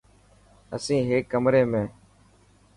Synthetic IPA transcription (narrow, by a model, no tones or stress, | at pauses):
ə̰sĩːɦeːkːəmɾeːmẽː